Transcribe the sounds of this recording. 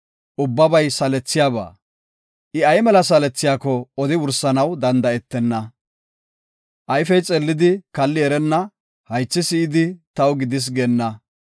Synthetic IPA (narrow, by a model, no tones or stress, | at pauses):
ʔʊbːɐbɐjsɐlɛt͡sːɪjaːba̰ː | ʔɪɐjmɛlɐs̬ɐlɛt͡sːɪjaːkɔɔd̪ɪwʊɾsɐnɐwd̪ɐnd̪ɐɛt̪ːɛnːɐ | ʔɐjfɛjt͡sʼɛlːɪd̪ɪkɐlːɪɛɾɛnːɐ | hɐjt͡sːɪsɪɪd̪ɪt̪ɐwɡɪd̪ɪs̬ɡɛnːɐ